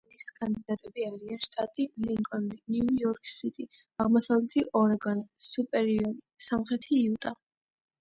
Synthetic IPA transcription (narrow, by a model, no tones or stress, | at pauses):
niskʼand̪id̪at̪ʼɛbiaɾianʃt̪ʼat̪ʼiliŋkʼɔnd̪iniujɔɾkʼʰsit̪ʼi | aʁmɔsavlɛt̪ʰiʔɔɾɛɡansupʼɛɾiɔɾisamχɾɛt̪ʰiːut̪ʼa